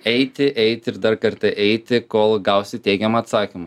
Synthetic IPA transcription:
ɛɪt̪ʲɪʔɛɪt̪ʲɪɪɾd̪ɐrkɐɾt̪ʲɐʔɛɪt̪ʲɪkoːlˠɡɐʊsʲɪt̪ʲɛɪɡʲɛmɐt̪sɑːkʲɪmʊ

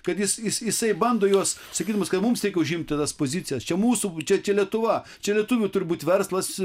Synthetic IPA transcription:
kɐt̪jɪsjɪsjɪsɐɪbɐnd̪oːjuɔs | sɐkʲiːd̪ɐmʊskɐt̪mʊmsɾʲɛɪkʲɛʊʒʲɪmʲt̪ʲɪt̪ɐspoːzʲɪt͡sʲɪjɛst͡ʃʲɛmuːsut͡ʃʲɛt͡ʃʲɛlʲiɛt̪ʊʋɐ | t͡ʃʲɛlʲiɛt̪uːʋʲʊt̪ʊɾʲɪbuːt̪ʲʋʲɛrslˠɐs

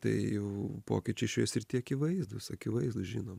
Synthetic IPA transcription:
t̪ɐ̰ɪjɛʊpo̰ːkʲɪt͡ʃʲɛɪʃʲejsɪɾt̪ʲiɛɐkʲɪʋɐɪzd̪ʊsɐkʲɪʋɐɪzd̪ʊsʒʲinoːm

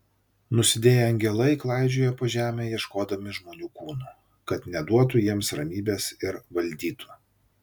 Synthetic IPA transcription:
nʊsʲɪd̪ʲeːjɛɐŋʲɡʲɛlˠɐɪklˠɑˑɪd͡ʒʲʊːjɛpoːʒʲæːmʲeːjiɛʃkoːd̪ɐmʲɪʒmoːnʲuːkuːnu | kɐt̪nʲɛd̪uɔt̪̬ʊjiɛmsɾɐmʲiːbʲeːsɪɾʋɐlʲd̪ʲiːt̪ʰʊ̥

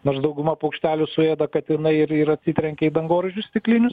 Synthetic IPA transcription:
noːɾsd̪ɐʊɡʊmɐpɐʊkʃʲt̪ʲæːlʲʊsʊeːd̪ɐkɐt̪ɪnɐɪɪɾɪɾɐtʲsʲɪt̪ʲɾʲɛŋʲkʲɛid̪ɐŋɡoːɾʲɪʒʲʊssʲt̪ʲɪklʲɪnʲʊs

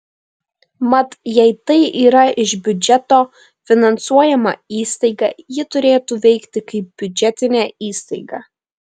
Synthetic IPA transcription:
mɐt̪jɛɪt̪ɐɪʔiːɾɐʔɪʒbʲʊd͡ʒʲɛt̪oː | fʲɪnɐnsuɔjɛmɐ̰iːst̪ɐɪɡɑ̰ːjɪt̪ʊɾʲeːt̪uːʋʲɛɪkt̪ʲɪkɐɪp̚bʲʊd͡ʒʲɛt̪ʲɪnʲæːiːst̪ɐɪɡɑː

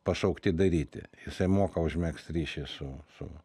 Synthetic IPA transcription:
pɐsɐʊkt̪ʲɪd̪ɐɾʲiːt̪ʲɪ̰jɪsɐɪmoːkɐʊʒʲmʲɛkst̪ɾʲiːʃʲɛɪsʊsʊ̰

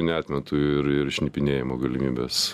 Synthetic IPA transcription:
nʲɛɑːt̪ʲmʲɛt̪uɪɾɪɾʃʲnʲipʲɪnʲeːjɪmoːɡɐlʲɪmʲiːbʲḛːs

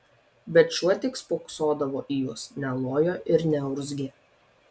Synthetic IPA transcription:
bʲɛt̪ʃʲuɔt̪ʲɪkspoːksoːd̪ɐʋoːʔijusnʲɛlˠoːjoːʔɪɾnʲɛʊɾzʲɡʲɪ

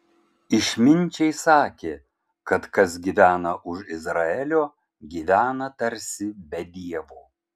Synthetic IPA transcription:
ɪʃʲmʲɪnʲˑt͡ʃʲɛɪsɑːkʲeː | kɐt̪kɐsɡʲiːʋʲæːnɐʔʊʃɪzɾɐɛlʲoː | ɡʲiːʋʲæːnɐt̪ɐɾʲsʲɪbʲɛd̪ʲiɛʋoː

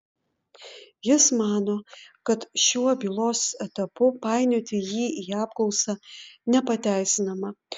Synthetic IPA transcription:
jɪsmɑːnoːkɐt̪ʃʲuɔbʲiːlˠoːsɛt̪ɐpʊpɑˑɪnʲot̪ʲɪjiːiːɑːp̚klˠɔʊsɑnʲɛpɐt̪ʲæˑɪsʲɪnɐmɐ

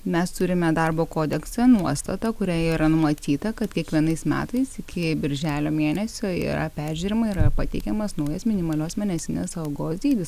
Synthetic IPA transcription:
mʲɛst̪ʊɾʲɪmʲɛd̪ɐrboːkoːd̪ʲɛksɛnuɔst̪ɐt̪ɐkʊɾʲæːiɾɐnʊmɐt̪ʲiːt̪ɐkɐt̪kʲiɛkʋʲiɛnɐɪsmʲæ̰ːt̪ɐɪsɪkʲɪbʲɪɾʲʒʲæːlʲoːmʲeːnʲɛsʲoːḭːɾɐ̰pʲæːɾʲʒʲʉːɾʲɪmɐiɾɐpɐt̪ʲɛɪkʲɛmɐsnɐʊjɛsmʲɪnʲɪmɐlʲoːsmʲɛnʲɛsʲɪnʲḛːsɐʊɡoːsd̪ʲiːd̪ʲɪs

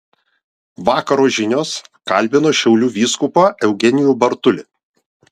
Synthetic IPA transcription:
ʋɑːkɐɾoːʒʲɪnʲoːskɐlʲˑbʲɪnoːʃʲɛʊlʲuːʋʲiːskʊpɑːʔɛʊɡʲɛnʲɪjuːbɐɾt̪ʊlʲɪ

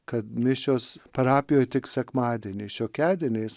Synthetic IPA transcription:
kɐt̪mʲɪʃʲoːspɐɾɑːpʲɪjoːjt̪ʲɪksʲɛkmɑːd̪ʲɛːnʲeːʃʲoːkʲæːd̪ʲiɛnʲeːs

